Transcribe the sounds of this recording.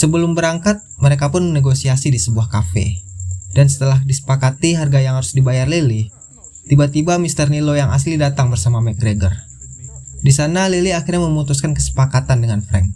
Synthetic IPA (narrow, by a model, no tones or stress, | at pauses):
səbəlʊmbəɾaŋkat̪̚məɾekapʊnməneɡosiasidisəbuahkafḛdansə̥t̪əlahdisə̥pakat̪iɦarɡajaŋhaɾʊsdibajarlili | t̪ibat̪ibamist̪ərnilojaŋʔa̰s̬ilidat̪aŋbərsamamɛt̪̚ɡɾeɡə̰r | disanaliliaxirɲaməmut̪uskankəsə̥pakat̪andəŋanfɾɛ̰n̚